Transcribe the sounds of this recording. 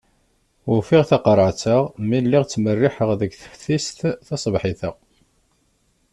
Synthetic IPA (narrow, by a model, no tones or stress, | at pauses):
ʊfɪʁθɑqɾˤəʕt͡səʁmilːɪʁt͡sːmərːɪħəʁðəɡθə̥fθist̪θɑsˤəbħɪθəʁ